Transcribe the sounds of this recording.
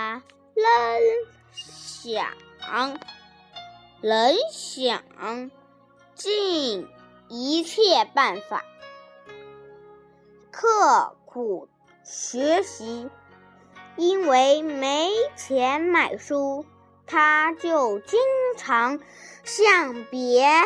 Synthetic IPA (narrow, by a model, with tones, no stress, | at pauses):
lə˧˥n | ɕjɑ̰˨˩ŋ | lə˧˥nɕjɑ̰˨˩ŋ | t͡ɕi˥˩n | i˧˥t͡ɕʰjɛ˥˧pa˥˩nfa̰˨˩˦ | kʰɤ˥˩kʰu˨˩ | ɕɥɛ˧˥ɕi˧˥ | i˥nwe˧˥ɪme˧˥ɪt͡ɕʰjɛ˧˥nma˨˩ɪʂu˥ | t̪ʰa˥t͡ɕjo˥˩ʊt͡ɕi˥ŋʈ͡ʂʰɑ˧˥ŋ | ɕjɑ˥˩ŋpjɛ˧˥